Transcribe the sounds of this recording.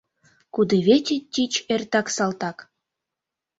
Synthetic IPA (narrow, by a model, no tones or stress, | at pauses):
kud̪eβet̪ʲit̚ʲːit͡ɕert̪ɑksɑlt̪ɑk